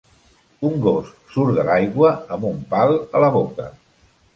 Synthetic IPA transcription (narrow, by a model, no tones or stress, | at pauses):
uŋɡos | suɾðəlajɣwəəmbumpalˠələβ̞okə